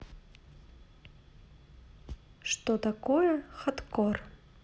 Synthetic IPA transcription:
ʂt̪ot̪ɐkojəxɐt̪kor

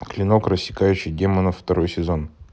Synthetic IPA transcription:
klʲɪno̞krəsʲːɪ̥kajʉɕɪjdʲemənəft̪ɐɾo̞jsʲɪzo̞n

